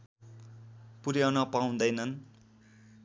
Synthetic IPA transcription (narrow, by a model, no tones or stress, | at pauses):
puɾjanʌpaũd̪ʌjnʌn